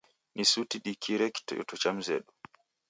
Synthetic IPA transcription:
nʔisutiɗikʰiɾɛktɔjɔ̰tut͡ʃam̩zɛ̰ɗu

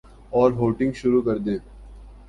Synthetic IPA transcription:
ɔːɾɦoːʈɪ̃ŋɡʃʊɾukɐɾd̪eː

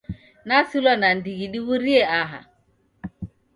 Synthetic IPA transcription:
nasilwanandiɣiɗiβuɾiɛaɦa̰

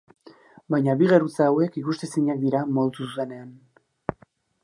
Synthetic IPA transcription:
bajɲaβiɣeɾut͡saːwe̞kikust̪esiɲak̚d̪iɾamo̞ðt̪ususe̞ne̞an

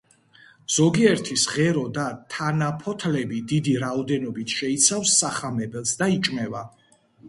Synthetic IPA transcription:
z̥ɔɡiɛɾt̪ʰisʁɛɾɔd̪at̪ʰanapʰɔt̪ʰlɛbid̪id̪iɾaɔd̪ɛnɔbit̪ʰʃɛit̪sʰafsːaχamɛbɛlˠsd̪ait͡ʃʼmɛva

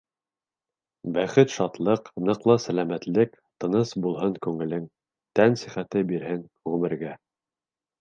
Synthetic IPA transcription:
bæχɘt̪ʃɑt̪lˠɤqnɤqlˠɑsælæmæt̪lɘk | t̪ɤ̆nɤsbulˠɦɤŋkʉŋɘ̆lɘŋ | t̪ænsiχæt̪ɘbiɾɦɘn | ʁɵmɘ̆ɾɡæ

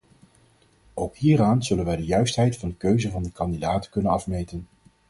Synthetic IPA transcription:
owkɦiːɾaːnz̥ɵlənʋɛjdəjœɥstɦɛjtfɑndəkøɥzəvɑndəkɑndidaːtə̥kɵnənɑfmejtən

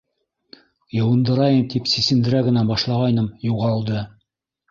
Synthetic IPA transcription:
jɤ̆wɤ̆nd̪ɤ̆ɾɑjɤmt̪ipsisɘ̆nd̪ɘ̆ɾæɡɘ̆næbɑʃlˠɑʁɑjnɤmjuʁɑlˠd̪ɤ

